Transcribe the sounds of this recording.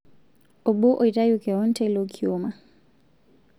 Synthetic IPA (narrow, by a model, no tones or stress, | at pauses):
ʔɔbɔʔɔjtajukɛwɔntɛlokʰiɔma